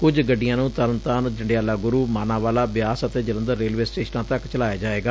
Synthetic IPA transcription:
kʊd͡ʒɡəɖːɪjãːnũːt̪ələnt̪aːnd͡ʒəɳɖɪjaːlaːɡʊɾuːmaːnãːʋaːlaːbɪjaːsət̪eːd͡ʒələ̃nd̪əɾːeːlʋeːsʈeːʃnãːt̪əkt͡ʃəlaːjaːd͡ʒaːeːɡaː

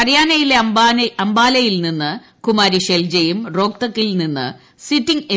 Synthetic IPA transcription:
ɐrjaːnɐjileɐmbaːnɐɐmbaːlɐjilninːɨ | kumaːɾiɕeld͡ʑejumro̞ːk̚t̪ɐkːilninːɨ̰ | sitːiŋi

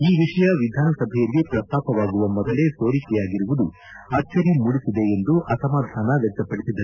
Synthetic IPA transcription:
iːʋiʂɐjɐʋid̪ʱaːnɐsɐbʱɛjɐlːipɾɐst̪aːpɐʋaːɡuʋɐmɔd̪ɐle̞soːɾikɛjaːɡiɾuʋud̪u | ɐt͡ʃːɐɾimuɽisid̪e̞end̪uʔɐsɐmaːd̪ʱaːnɐʋɛk̚t̪ɐpɐɽisid̪ːɐ

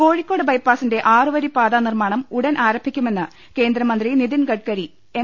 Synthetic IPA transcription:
ko̞ːɻikʲːo̞ːɽɨbɐjpːaːsinde̞ʔaːrɨʋɐɾipaːd̪aːnirmaːɳɐmuɽɐnʔaːɾɐmbʱːikʲːume̞nːɨ | ke̞ːnd̪ɾɐmɐnd̪riniðinkɐʈ̚kɐɾi | e

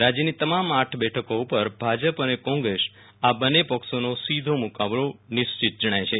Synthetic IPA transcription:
ɾad͡ʒənit̪əmamaʈʰbɛʈʰəkoupəɾbʱad͡ʒəpənekɔ̃ŋɡɾeʃ | abənːepəksonosid̪ʱomukaʋɽõnɪst͡ʃit̪̚d͡ʒəɽ̃ajt͡ʃʰe

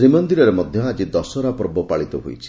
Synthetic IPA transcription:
ɾimɔnd̪iɾɔɾemɔd̪ʱjɔad͡ʒid̪ɔsɔɾapɔɾbɔpaɭit̪ɔɦo̰jt͡ʃʰi̥

